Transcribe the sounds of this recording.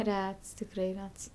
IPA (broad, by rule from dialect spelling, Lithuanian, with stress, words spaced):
ˈrʲɛts tʲɪkˈrɐɪ ˈrʲɛts